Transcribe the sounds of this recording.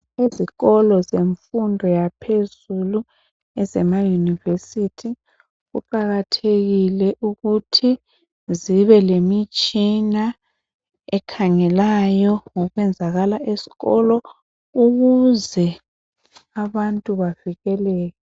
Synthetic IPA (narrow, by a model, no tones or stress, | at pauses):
eziɣɔlɔzeɱfundʱɔjapʰezulu | ɛzɛmajunivesitʰi | ɣṵǃaɣatʰeɣilɛʔuɣutʰi | ziβɛlemit͡ʃʼina | ɛkʰaŋɛlajɔŋɔɣwɛnd͡zʱaɣalaʔesi̥ɣɔlɔ | uɣuzɛ | aβantʼuβaviɣɛlɛːjɔ